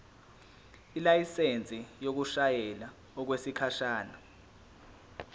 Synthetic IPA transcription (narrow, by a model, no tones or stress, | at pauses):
ilajisent͡sʼijok̬uʃajɛla | ɔk̬wesikʰaʃaːna